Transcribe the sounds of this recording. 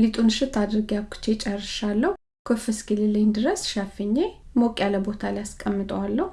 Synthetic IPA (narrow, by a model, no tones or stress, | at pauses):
lit̪ʼunʃɨt̪ʰːad̪ɾɨɡjakʰːɨ̥t͡ʃːet͡ʃʼɛrːɨʃalːəh | kʰofɨskʰɨlɨlːɨnd̪ɨɾəsʃafɨɲːemokʼjaləbo̞t̪ʰalijaskʼəmːɨt̪ʼəwalːəh